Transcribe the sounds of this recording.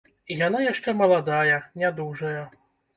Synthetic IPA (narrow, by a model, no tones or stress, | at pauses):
ijanajaʂt͡ʂɛmɐlˠad̪ajɐnʲad̪uʐɐjɐ